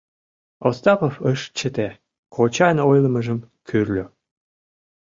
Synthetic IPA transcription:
ost̪ɑpofəʃt͡ɕːət̪e | kʰot͡ɕɑnojləməʒəm | kʰyrlʲø

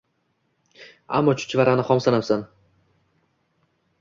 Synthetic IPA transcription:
a̰mːɒt͡ʃʰʊ̥t͡ʃʰvaɾanɪχɒmsanapsan

